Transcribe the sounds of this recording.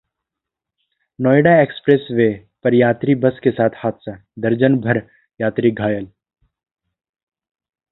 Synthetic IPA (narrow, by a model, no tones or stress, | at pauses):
nɔːeɖaeːkspɾeːsʋeː | pɐɾjaːt̪ɾibɐskesaːt̪ʰhaːt̪ʰsad̪ɐɾd͡ʒənbʱɐɾ | jaːt̪ɾiɡʱaːjəl